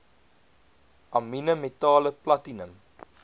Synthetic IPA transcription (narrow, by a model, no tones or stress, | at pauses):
ʔɐminəmetɑːləplɐtinəm